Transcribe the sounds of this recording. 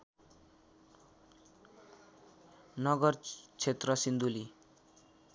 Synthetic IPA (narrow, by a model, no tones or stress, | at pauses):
nʌɡʌrt͡sʰet̪rʌsind̪uli